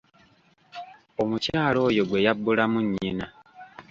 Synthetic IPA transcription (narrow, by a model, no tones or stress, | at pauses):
o̞mucaːlo̞ːjo̞ɡwe̞jabːulamuɲːina